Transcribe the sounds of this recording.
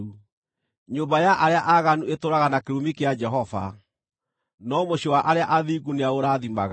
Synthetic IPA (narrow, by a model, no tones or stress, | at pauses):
u | ɲoːmbajaʔaɾeaʔaɣanuetoɾaɣanakeɾumikead͡ʒɛɦɔva̰ | nɔmoɕowaʔaɾeaʔaðiːɡuneaoɾaðimaɣa